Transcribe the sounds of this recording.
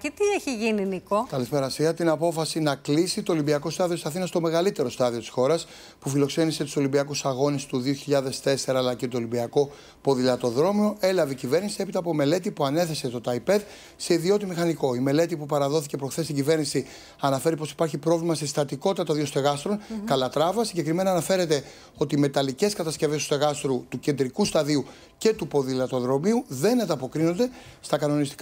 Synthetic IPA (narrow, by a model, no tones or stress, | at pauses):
cet̪ieçiʝininikokɐlispe̞ɾɐsiɣɐt̪inɐpo̞fɐsinɐklisit̪o̞ːlimbiɐko̞st̪ɐðio̞t̪isɐθinɐst̪o̞me̞ɣɐlit̪e̞ɾo̞st̪ɐðiot̪i̥sxo̞ɾɐs | pufilo̞kse̞nise̞t̪u̥so̞limbiɐkusɐɣo̞nest̪uðio̞çiʎɐðe̞st̪e̞se̞ɾɐːlɐcet̪uolimbiɐko̞ | po̞ðilɐt̪o̞ðɾo̞mio̞ʔe̞lɐveicive̞ɾnisie̞pit̪ɐːpo̞me̞le̞t̪ipuɐne̞θe̞se̞t̪o̞t̪ɐjpe̞ð | se̞iðio̞t̪imixɐniko̞ime̞le̞t̪ipupɐɾɐðo̞θice̞pɾoxθest̪iɲɟive̞ɾnisi | ɐnɐfe̞ɾipo̞si̥pɐɾçipɾo̞vlimɐsest̪ɐt̪iko̞t̪it̪ɐt̪oɐðio̞st̪e̞ɣɐst̪ɾo̞nkɐlɐt̪ɾɐvɐsiɲɟe̞kɾime̞nɐːnɐfe̞ɾe̞t̪e̞ | o̞t̪iːme̞t̪ɐlice̞skɐt̪ɐsce̞vest̪u̥st̪e̞ɣɐst̪ɾut̪uce̞nd̪ɾikust̪ɐðiu | ce̞t̪upo̞ðilɐt̪o̞ðɾo̞miuðe̞nɐnd̪ɐpo̞kɾino̞nd̪e̞st̪ɐkɐno̞nist̪i̥k